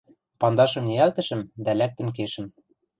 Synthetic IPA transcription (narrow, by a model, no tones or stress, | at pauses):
pɑnd̪ɑʃɤ̆mniælt̪ɘ̆ʃɘ̆md̪ælæk̚t̪ɘ̆mk̬eʃɘ̆m